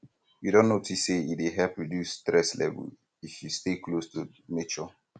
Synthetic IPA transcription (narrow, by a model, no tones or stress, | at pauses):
judõnːotʰisːeieɦɛlpɹidjustɹɛslɛ̰və̰l | ifjusteklostʰu | met͡ʃɔ